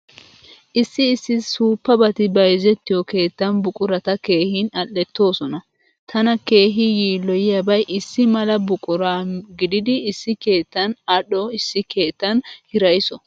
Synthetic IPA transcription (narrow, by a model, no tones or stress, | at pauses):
ʔɪsːɪːsːɪsuːpːɐbɐt̪ɪbɐjzɛt̪ːɪjɔke̞ːt̪ːɐnbʊkʼʊɾɐt̪ɐke̞ːhinɐlːɛt̪ːo̞ːsɔnɐ | t̪ʰɐnɐke̞ːɦɪjiːlːɔjɪjɐbɐjʔɪsːɪmɐlɐbʊkʼʊɾaːɡɪd̪ɪd̪ɪːsːɪke̞ːt̪ːɐnɐɗɔɪsːɪke̞ːt̪ːɐnhɪɾɐjɪsɔ